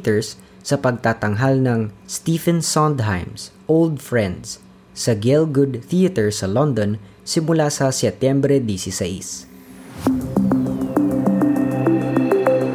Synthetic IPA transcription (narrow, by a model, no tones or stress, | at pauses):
t̪ɛɹsː | ɐpɐɡ̚t̪aːt̪ɐŋɦalnɐŋst̪ifɛ̃nsɔnd̪ɦajmsʔowld̪fɹɛ̃nd̪s | sɐɡɛlɡʊd̪̚θiɐt̪ɛɹsɐlɔnd̪on | sɪmʊlasɐsɛt̪jɛmbɾɛd̪isisɐʔḭs